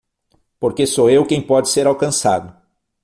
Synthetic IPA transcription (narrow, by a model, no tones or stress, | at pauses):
poɾkesoewkẽj̃pɔd͡ʒɪseɾawkɐ̃sa̰d̪ʊ